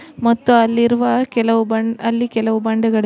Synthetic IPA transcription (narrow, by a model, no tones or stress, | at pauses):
mɐt̪ːuɐlːiɾuʋɐkɛlɐʋubɐɳɐlːikɛlɐʋubɐɳɖɐɡɐɭ